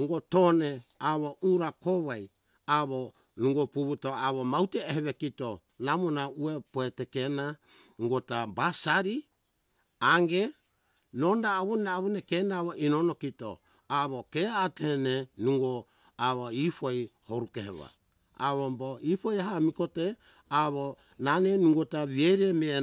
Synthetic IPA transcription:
nuŋɡotoneaβo̞uɾakoβaj | aβo | nuŋɡopuβutoaβomawteːheβekito | namonauepoetekena | uŋɡotabasaɾi | aŋɡe̞ | no̞ndaːβonaaβunekenaaβoʔinonokito̰ | aβokeatehenenuŋɡo | aβoipojhoɾukehḛβa̰ | a̰βoboipojaɦamiko̞te | aβo | nanenuŋɡotaβiejɾeme

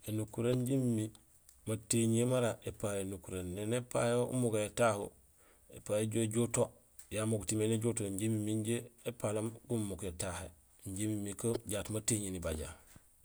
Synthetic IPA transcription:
enukuɾeɲɟimmi | mateɲemaɾaʔepajenukuɾenːenepajoṵmuɡajetahṵ | ḛpajeɟoɟoto | jamoɡutimeneɟotoɲɟimimiɲɟeepalamɡummukjetahe | ɲɟimimːikoɟaːtmateːɲenibaɟa̰

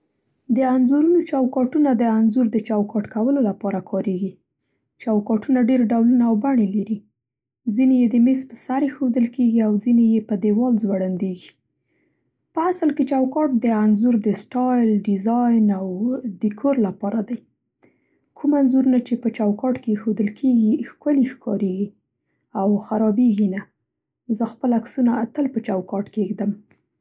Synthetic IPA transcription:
d̪əanzuɾunot͡ʃɑwkɑʈunad̪əanzuɾd̪ət͡ʃawkɑʈkawəlolapɑɾakʰɑɾeɡi | t͡ʃɑwkɑʈunaɖeɾɖawlunaːwbaɳelaɾi | zinejed̪əmespəsaɾexod̪əlkeɡiawzinejepəd̪ewɑlzwaɽand̪eɡi̥ | pəasəlket͡ʃawkɑʈ̚d̪əanzuɾd̪əsʈɑjlɖɪzɑjnawd̪əkʰoɾlapɑɾad̪aj | kʰumanzuɾunat͡ʃepət͡ʃawkɑʈkexod̪əlkʰeɡixkəlixkɑɾeɡi | awxaɾɑbeɡina | zəxpəlaksunaːt̪əlpət͡ʃɑwkɑʈkeɡd̪əm

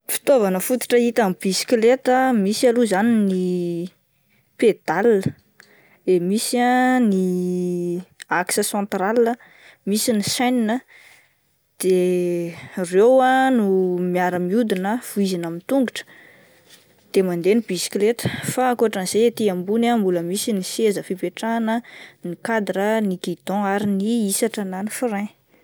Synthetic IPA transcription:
fi̥t̪ovanəfut̪i̥ʈ͡ʂəit̪amib̥isi̥klet̪əmisaluzanini | ped̪alːə | d̪̥emisiani | aksəsãnt̪ɾalə | misinisajninə | d̪̥e | rewanumiaɾəmiud̪inəv̥uizinamint̪uŋɡuʈ͡ʂə̥ | d̪̥emand̪enibisi̥klet̪ə̥fakuaʈ͡ʂənizet̪iambunambuləmisinisezəfipeʈ͡ʂanənikad̪ɾənikid̪ɔ̃aɾiniisaʈ͡ʂənanifiɾẽ

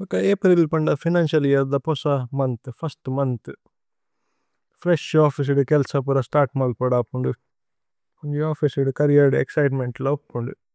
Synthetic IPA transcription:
ɔkɐeːpɾilpɐɳɖɐpʰinaːnʃɐlijɐɾd̪ɐpɔsɐmɐnt̪ɨpʰɐsʈmɐnt̪ | pʰɾeʂaːpʰis̬iɽukɛlsɐp̬uɾɐsʈaːɾʈmɐlpɐɽaːpːuɳɖu | kuɲd͡ʒiaːpʰisiɖukɐɾijaɾɖeksɐjʈ̬meɳʈloɐkːuɳɖu

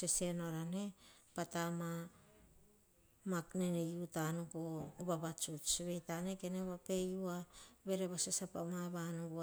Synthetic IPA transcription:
sesenoɾanepatama | maknenejutanukoβaβat͡ʃut͡ʃβe̞jtanekeneβape̞juaβe̞ɾeβasesapamaβanuɡ

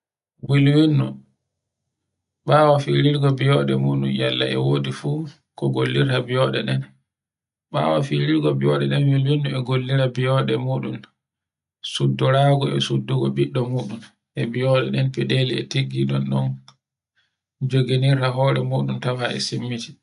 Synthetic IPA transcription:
wilwinːu | ɓaːwafiɾiɾɡɔbijɔɗɛmuːɗunjalːaʔɛ̰woːdifuː | kɔɡolːiɾtabijɔɗɛɗɛn | ɓa̰ːwafiɾiɾɡɔbiɔɗɛɗɛnwilwinːuɛɡolːiɾabijɔɗɛmuːɗum | sudːɔɾaːɡɔɛ̰sudːuɡɔbiɗːɔmuːɗum | ʔɛbiɔɗɛɗɛnpɛdeliɛteɡːiɗɔnːɔn | d͡ʒoɡeniɾtaɦɔːɾɛmuːɗumtawaɛ̰simːiti̥

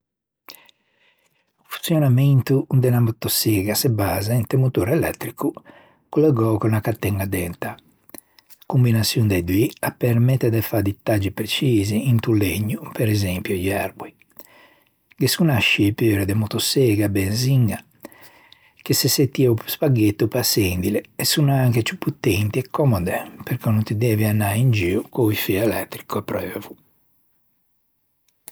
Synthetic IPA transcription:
fu̥nsjɔnament̪uund̪ɛnamɔt̪ɔsɛɡasebaːzaint̪emut̪uɾɛlɛt̪ːɾiku | kulɛɡɔkɔnakat̪ːɛŋɡad̪ɛnt̪a | kumbinasjund̪ed̪wiapːɛɾmɛt̪ːɛd̪ɛfad̪it̪ːad͡ʒipɾet͡ʃiːziːnt̪uleɲːupɛɾɛzɛmpjɔjɛɾbwi | ɡesunaʃipøːɾɛd̪ɛmɔt̪ɔsɛɡabɛnziŋɡa | keseset̪ːiɛupspaɡet̪ːupasend̪ilɛːsːunaaŋket͡ʃupːut̪ːɛnt̪iɛkʰːɔmɔd̪ɛpɛɾkɔnunt̪id̪ɛːvianːaind͡ʒiːukɔifiɛlɛt̪ːɾikʰuapːɾɛvu

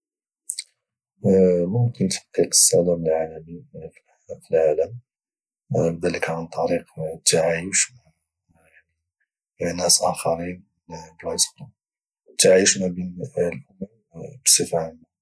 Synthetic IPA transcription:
mʊmkənt̪ħə̥qːiqə̥sˤːæd̪əɾəlʕalæmi | filʕaləm | bd̪æləkʕant̪ˤːɑɾiqt̪aʕajəʃ | jaʕni | næsʔæxɑɾin | blajsfɾum | t̪aʕiəʃmæbinlʔʊməm | bsˤəfʕana

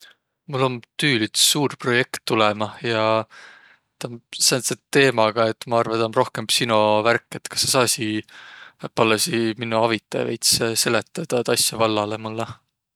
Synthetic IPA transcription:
mulːo̞nt̪yːlit̪suːrpro̞je̞kt̪ːulɛmɑjɑ | t̪ɑmseonset̪e̞ːmɑɡ̥ɑe̞t̪ːˑmɑɑrvɑt̪ɑnro̞hke̞mb̥sinoværkˑːe̞t̪ːkɑ̥sːesɑːsi | pɑlːesiminːuɑvit̪ːˑɑj̰ejt̪sse̞le̞t̪ːˑɑd̪̥ɑt̪ɑsjɑvɑlːɑlemulːɑ

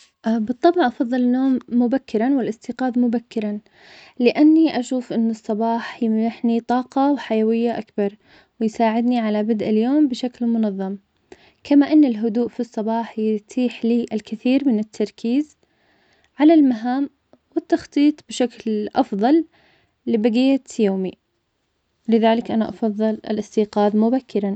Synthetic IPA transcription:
ʔbɨt̪ˤːɑbʕʔɑfɑðˤːɨlnːoːmːʊbakːɪɾanwɪlʔɪst̪iːqɑːðmʊbakːɪɾan | lɪʔanːiʔaʃuːfʔɪnːɨsˤːɑbɑːħjɪmjɪħnit̪ˤɑːqɑwħajawɪjːaʔakbɑɾˤ | wɪjsaːʕɪd̪niʕalabɪd̪ʔaljoːmbɪʃaklmʊnɑðˤːɑm | kʰamaʔɪnːɪlɦʊd̪uːʔfisˤːɑbɑːħjɪt̪ʰiːħliːʔɪlkɪθiːɾmɪnɪt̪ʰːɑɾˤkʰiːz | ʕalalmaɦaːm | wɪt̪ːɑxt̪ˤiːt̪ˤbɪʃaklʔɑfðˤɑlː | ɪbaɡɪjːajoːmi | lɪðaːlɪkʔanaʔɑfɑðˤːɨlɪ̰lʔɪst̪iːqɑːðmʊbakʰːɪɾa

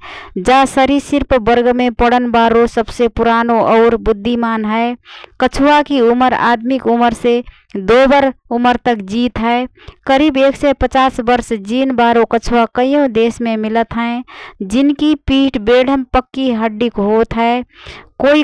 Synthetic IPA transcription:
d͡ʒasəɾisiɾpbəɾɡmẽpəɽənbaɾosəbsepuɾanoʔɔʊɾbʊd̪ʱːimaːnɦəekət͡ʃʰuakiuməɾa̰ːd̪mikuməɾse | d̪obəɾuməɾt̪əkd͡ʒit̪ɦəe | kəɾibeːksepət͡ʃaːsbəɾsd͡ʒinbaːɾokət͡ʃʰuakəijõd̪eːsmẽmɪlət̪ɦə̃d͡ʒɪnkipiʈbeɽ̤ʱəmpəkːiɦəɖːikɦot̪ɦəekoi

